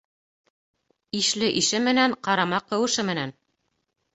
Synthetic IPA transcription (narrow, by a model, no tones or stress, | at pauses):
iʃlɘʔiʃɘmɘ̆næɴqɑɾɑmɑqːɤ̆wɤ̆ʃɘmɘ̆næn